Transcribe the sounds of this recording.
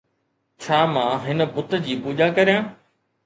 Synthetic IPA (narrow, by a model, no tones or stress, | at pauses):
t͡ɕʰaːmãːɦɪnə̆bʊt̪d͡ʑiːpuːʄakɐɾijãː